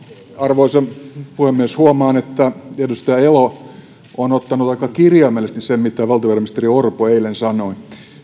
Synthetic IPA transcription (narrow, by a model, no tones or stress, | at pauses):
ɑrʋoisempuhemːieshuomɑːnet̪ːæedust̪ɑjɑelo | ʔonot̪ːɑnut̪ɑikːɑkirjɑmːelest̪nissemmit̪ːæʋɑlt̪ɑʋɑrɑmist̪eriorpoeilensɑnoi